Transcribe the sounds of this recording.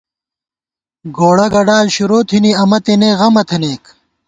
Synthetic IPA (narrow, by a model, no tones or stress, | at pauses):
ɡoːɽɐɡɐɖaːlɕuɾoːt̪ʰiniɐmɐt̪ineːɣɐmɐt̪ʰeneːk